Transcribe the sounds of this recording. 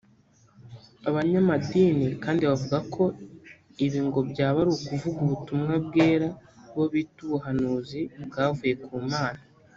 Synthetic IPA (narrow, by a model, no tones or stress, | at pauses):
aβaɲamadiːnikaːndiβavuɡakʰo̞ | iβiːŋɡo̞bɟaːβaɾukuvuɡuβutumŋab̚ɡe̞ːɾaβo̞βiːtuβuɦanuːzibɡaːvuje̞kʰuːmaːna